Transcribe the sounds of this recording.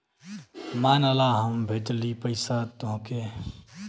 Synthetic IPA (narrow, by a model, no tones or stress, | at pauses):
maːnəlaɦəmbʱeʈlipəɪsat̪oɦə̃ke